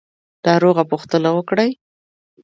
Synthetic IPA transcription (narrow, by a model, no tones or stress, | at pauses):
d̪̥ɑɾoɣapʊxt̪ənawəkɽəj